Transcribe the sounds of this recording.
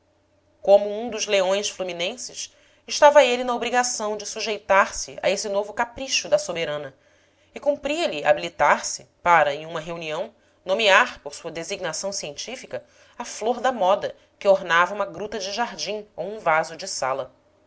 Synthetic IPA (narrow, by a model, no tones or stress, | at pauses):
kõmʊũd̪ʊzleõj̃ʃfluminẽsɪʃ | ɪʃt̪avɐelɪnɐobɾiɡasɐ̃w̃d͡ʒɪsuʒejt̪aɾsɪa̰esɪnovʊkapɾiʃʊd̪ɐsobeɾɐ̃nɐ | ɪkũpɾiɐlɪa̰bilit̪aɾsɪpaɾɐẽj̃ũmɐɦeuniɐ̃w̃ | nomiaɾpoɾsuɐd̪eziɡnasɐ̃w̃siẽnt͡ʃifikɐ | afloɾd̪ɐmɔd̪ɐ | kɪoɾnavɐũmɐɡɾut̪ɐd͡ʒɪʒaɾd͡ʒĩowũvazʊd͡ʒɪsa̰lɐ